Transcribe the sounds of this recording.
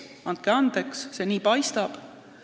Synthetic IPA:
ɑnt̪̚keɑnd̪̥eksse̞niːpɑjst̪ɑb̥

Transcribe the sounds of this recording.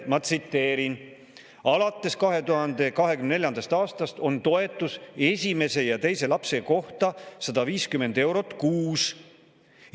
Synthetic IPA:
mɑt̪sit̪ːe̞ːɾin | ɑlɑt̪ːe̞skɑɦe̞t̪uɦɑnd̪̥e̞kɑɦe̞kymneneljɑnd̪ɑst̪ɑːst̪ɑst̪o̞nt̪o̞e̞t̪ːˑuse̞sʲime̞se̞jɑt̪e̞jse̞lɑpse̞ko̞ht̪ɑsɑd̪̥ɑviːskyme̞nd̪e̞wɾo̞t̪ˑkuːs

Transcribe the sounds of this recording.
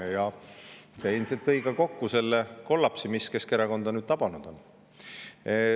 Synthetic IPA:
jɑ | seelʲmselt̪ːɤjkɑko̞kːuse̞lːeko̞lːɑpsimiske̞ske̞ɾeko̞nd̪ɑnyːd̥̪t̪ɑb̥ɑnud̪̥o̞n

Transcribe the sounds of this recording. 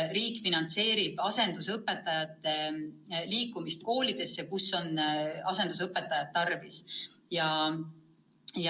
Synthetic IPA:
ɾiːkːˑfinɑnt̪se̞ːɾib̥ɑse̞nd̪̥usɤpːˑe̞t̪ːˑɑjɑt̪ˑːe̞liːkːˑumist̪̚ko̞ːlid̪̥e̞sːekusːo̞nɑse̞nd̪us̬ɤpːˑet̪ːˑɑjɑt̪̚ːɑrvis | jɑ | j

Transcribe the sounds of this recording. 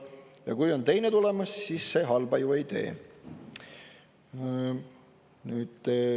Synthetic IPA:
jɑ̰kujo̞nt̪e̞jne̞t̪ule̞mɑssiːsːe̞ɦɑlb̥ɑjue̞jt̪e̞̰ː | nyːd̪̥

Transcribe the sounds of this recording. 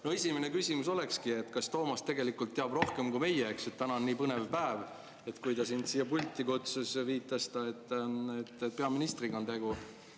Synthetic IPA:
noesʲimenekysʲimuso̞le̞kskie̞t̪ːˑkɑst̪o̞ːmɑst̪e̞ɡe̞likːˑult̪ːeɑb̥ro̞hke̞mkume̞jːeeksut̪ːænɑnnːiːpɤnevpæev | e̞t̪kujd̪ɑsint̪siːjːɑpulʲt̪ːˑikot̪susviːt̪ˑːɑst̪ɑet̪ˑːet̪ːˑet̪pe̞ɑminist̪riɡɑnt̪e̞ɡu

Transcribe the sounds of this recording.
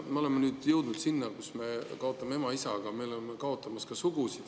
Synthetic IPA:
meo̞le̞mːenyːd̪̥jɤwd̪̥nud̪̥sinːɑkusme̞kɑo̞t̪ːˑɑmee̞mɑisɑɡ̥ɑmelemːekɑo̞t̪ːˑɑmɑskɑsuɡ̥usid̪̥

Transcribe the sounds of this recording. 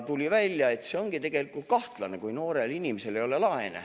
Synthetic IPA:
t̪ulʲivælʲjɑe̞t̪se̞o̞ŋɡ̥it̪e̞ɡ̥e̞likːˑult̪̚kɑht̪lɑnekujno̞ːɾe̞linimese̞le̞jo̞le̞lɑenḛ

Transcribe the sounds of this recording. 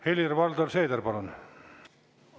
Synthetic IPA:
heljirʋɑld̪olʲseːd̪ɑrpɑlon

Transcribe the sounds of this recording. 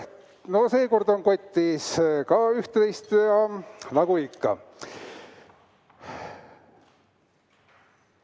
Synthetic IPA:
no̞se̞ːko̞rd̪o̞ŋko̞t̪ʲːiskɑyht̪ejst̪jɑnɑɡ̥uikːɑ̰

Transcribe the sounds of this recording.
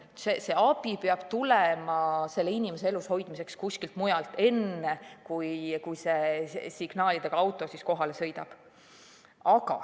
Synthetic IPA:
sese̞ɑbipeɑb̥t̪ulemɑse̞lːeinʲimese̞elusho̞jd̪misekskusʲkilt̪mujɑlt̪ːˑe̞nːekujkujse̞siɡ̥nɑːlid̪̥e̞ɡ̥ɑɑwt̪ˑo̞sisko̞ɦɑle̞sɤ̞jd̪ɑ̰b̥ | ɑɡ̥ɑ̰

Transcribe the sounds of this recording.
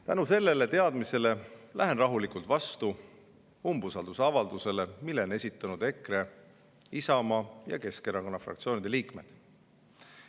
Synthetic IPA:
t̪ænuse̞lːe̞le̞t̪e̞ɑd̪̥mise̞le̞læɦe̞nrɑɦulikˑult̪vɑst̪u | umbusɑld̪usɑvɑld̪use̞le̞milːe̞ne̞sʲit̪ːˑɑnud̪e̞kre̞ | isɑmɑjɑ̰ke̞ske̞ɾɑko̞nːɑfrɑ̰kt̪sio̞ːnid̪̥eliːkme̞̰d̪̥

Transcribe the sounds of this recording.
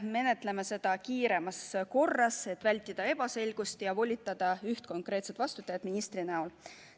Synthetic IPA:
me̞ne̞t̪ˑle̞mese̞d̪̥ɑkiːɾe̞mɑsko̞rːɑse̞t̪ːˑvælʲt̪ːˑid̪̥ɑe̞b̥ɑse̞lʲɡ̥ust̪jɑvo̞lʲit̪ːˑɑd̪̥ɑyht̪ko̞ŋkˑre̞ːt̪se̞t̪vɑst̪ut̪ːˑɑjɑd̪̥minist̪rinæo̞l

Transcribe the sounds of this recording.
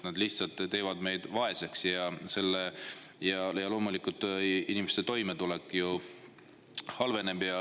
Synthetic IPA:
nɑd̪liht̪sɑlt̪ːˑt̪e̞ːvɑd̪̥me̞jd̪̥vɑe̞seksjɑse̞lːejɑjɑlo̞ːmulikːˑult̪inimest̪et̪o̞jmet̪ulekːˑju | hɑlve̞ne̞bjɑ

